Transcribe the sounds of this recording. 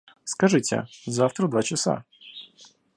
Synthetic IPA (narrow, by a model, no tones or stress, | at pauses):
skɐʐɪtʲɛ̰zawt̪ɾɐd̪ʋat͡ʃɐsa̰